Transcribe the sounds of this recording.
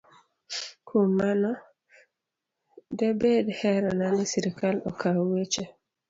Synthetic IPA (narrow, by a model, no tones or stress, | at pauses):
kʰomːanɔ | debedhɛɾɔnanɪsiɾikalɔ̰kʰawet͡ʃe